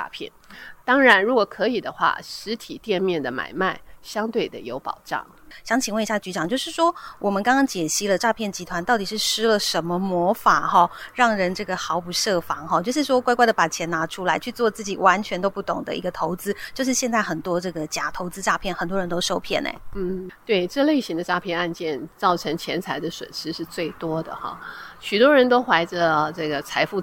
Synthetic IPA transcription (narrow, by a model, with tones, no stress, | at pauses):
a̰˥˧pʰjɛ̰˥˩nt̪ɑ˥ŋɻa˧˥nɻu˧˥kɔ˨˩kʰɤ˧˥i˨˩d̪ə˦xwa̰˥˩ʂɻ̩˧˥t̪ʰi˨˩t̪jɛ˥˧nmjɛ˥˩nd̪ə˩ma̰˨˩ɪma˥˩ɪɕjɑ˥ŋt̪we˥˩ɪd̪ə̰˩jo˧˥ʊpɑ̰˨˩ʊʈ͡ʂɑ̰˥˨˩ŋ | ɕjɑ˧˥ŋt͡ɕʰi˨˩ŋwə˥˩ni˧˥ɕa˥˩t͡ɕy˧˥t͡ɕɑ˨˩ŋt͡ɕjo˥˧ʊʂɻ̩˥˩ʂwɔ˥wʔɔ˨˩mə˦nkɑ˥ŋkɑ˥ŋt͡ɕjɛ˨˩ɕi˧˥lə˨ʈ͡ʂa˥˧pʰjɛ˥˩nt͡ɕi˧˥t̪ʰwa˧˥nt̪ɑ˥˩ʊt̪i˨˩ʂɻ̩˥˩ʂɻ̩˥lə˨ʂə˧˥nmə˧mwɔ˧˥fa˨˩xɔ˥˩ɻɑ˥˩ŋɻə˧˥nʈ͡ʂɤ˥˩ɡə˩xɑ˧˥ʊpu˧˥ʂɤ˥˩fɑ˧˥ŋxɔ˥˧t͡ɕjo˥˧ʊʂɻ̩˥˩ʂwɔ˥kwa˥ɪkwa˥˩ɪə˩pa˨˩t͡ɕʰjɛ˧˥na˧˥ʈ͡ʂʰu˥la˧˥ɪt͡ɕʰy˥˧t͡swɔ˥˧t͡sɹ̩˥˩t͡ɕi˨˩wa˧˥nt͡ɕʰɥɛ˧˥nt̪o˥ʊpu˥˩t̪ʊ˨˩ŋd̪ə̰˦i˧˥ɡə˧t̪ʰo˧˥ʊt͡sɹ̩˥t͡ɕjo˥˧ʂɻ̩˥˩ɕjɛ˥˧nt͡sa˥˩ɪxə˨˩nt̪wɔ˥ʈ͡ʂɤ˥˩ɡə˩t͡ɕja˨˩t̪ʰo˧˥ʊt͡sɹ̩˥ʈ͡ʂa˥˧pʰjɛ˥˩nxə˨˩nt̪wɔ˥ɻə˧˥nt̪o˥ʊʂo˥˧ʊpʰjɛ̰˥˩nḛ˨˩n̩˥˩t̪we˥˩ɪʈ͡ʂɤ˥˧le˥˩ɪɕi˧˥ŋd̪ə˨ʈ͡ʂa˥pʰjɛ˥˧na˥˧nt͡ɕjɛ˥˩nt͡sɑ˥˩ʊʈ͡ʂʰɤ˧˥ŋt͡ɕʰjɛ˧˥nt͡sʰa˧˥ɪd̪ə˨ʂwə̰˨˩nʂɻ̩˥ʂɻ̩˥˧t͡swe˥˩ɪt̪wɔ˥d̪ə̰˨xɑ̰˥˩ɕy˨˩t̪wɔ˥ɻə˧˥nt̪o˥ʊxwa˧˥ɪʈ͡ʂə˧ʈ͡ʂɤ˥˩ɡə˩t͡sʰa˧˥ɪfu˥˧